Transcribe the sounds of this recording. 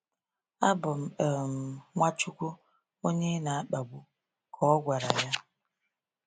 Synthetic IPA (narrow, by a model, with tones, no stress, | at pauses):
a˦bʊ˨m̩˨m̩˨ŋʷa˦t͡ʃu˦kʷu˦ | o˦ɲe˦na˨a˦k͡pa˨ɡʷu˦ | kʰɔ˦ɔ˦ɡʷa˨ɾa˨ja˦